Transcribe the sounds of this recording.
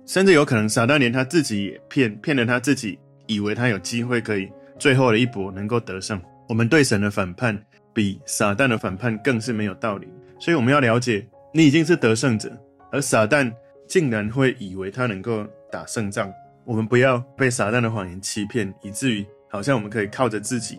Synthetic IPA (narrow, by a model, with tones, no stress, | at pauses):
ʂə˥˧nt͡s̩˥˩jo˧˥kʰɤ˨˩nɤ˧˦ŋsa˨˩t̪a˥˩nljɛ˧nt̪ʰa˥t͡sɹ̩˥˩t͡ɕi˨˦jɛ˨˩pʰjɛ˥˨npʰjɛ˥˩nlə˨t̪ʰa˦˥t͡sɹ̩˥˩t͡ɕi˨˩ | i˨˩we˧˥ɪt̪ʰa˦˥jo˨˩ʊt͡ɕi˦˥xwe˥˩ɪkʰɤ˧˥i˨˩t͡swe˥˧ɪɦo˥˩ʊɾə˩i˥˩pwɔ˧˥nə˧˦ŋko˥˩ʊt̪ɤ˧˦ʂɤ˥˩ŋ | wɔ˨˩mə˨˦nt̪we˥˩ɪʂə˧˦nd̪ə˧fa˨˩npʰa˥˩n | pi˨˩˦sa˨˩t̪a˥˩nd̪ə˩fa˨˩npʰa˥˨nkɤ˥˧ŋʂ̬ɻ̩˥˩me˧˥jo˨˩ʊt̪ɑ˥˩ʊlḭ˨˩swɔ˧˥i˨˩wɔ˨˩mə˦nja˥˩ʊljɑ˧˥ʊt͡ɕjɛ˨˩ | ni˨˩i˨˩t͡ɕi˥˧ŋʂ̬ɻ̩˥˩t̪ɤ˧˦ʂɤ˥˩ŋʈ͡ʂɤ̰˨˩˦ | ə˞˧˥sa˨˩t̪a˥˨n | t͡ɕi˥˩ŋɻa˧˦nxwe˥˩ɪʔi˨˩we˧˥ɪt̪ʰa˦nɤ˧˥ŋko˥˩ʊt̪a˨˩ʂɤ˥˧ŋʈ͡ʂɑ˥˩ŋ | wɔ˨˩mə˦npu˨˦jɑ˥˧ʊpe˥˩ɪsa˨˩t̪a˥˩nd̪ə˩xwa˨˩ŋjɛ˨˦nt͡ɕʰi˥pʰjɛ˥˨ni˨˩t͡sɹ̩˥˩y˧˥hɑ˨˩ʊɕ̬jŋwɔ˨˩ə˦nkʰɤ˧˥i˨˩kʰɑ˥˩ʊʈ͡ʂə˩t͡sɹ̩˥˩t͡ɕḭ˨˩˦